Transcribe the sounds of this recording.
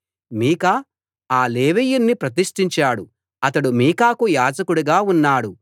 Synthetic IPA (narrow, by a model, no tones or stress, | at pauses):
miːkɐ | aːleːʋijunːipɾɐt̪̬iʂʈiɲt͡ʃaːɽu | ɐt̪ɐɽumiːkaːkujaːd͡ʒɐkuɽuɡaːunːaːɽu